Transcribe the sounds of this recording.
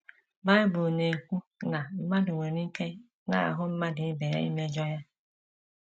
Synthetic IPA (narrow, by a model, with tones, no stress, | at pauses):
ba˦ɪ˦bʊ˨ne˨kʷu˦na˨m̩˦ma˦dʊ˨ŋʷe˨ɾi˦ke˦ | na̰˨a̰˨ɦʊ˦m̩˦ma˦dɪ˨ɪ˦be˨ɾa̰˦ḭ˦me˦d͡ʒɔ˦ja˦